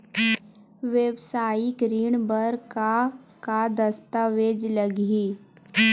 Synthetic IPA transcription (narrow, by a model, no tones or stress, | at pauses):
ʋeːbsaːjikɾiːɳbəɾka | kad̪əst̪aʋeːd͡ʒləɡiː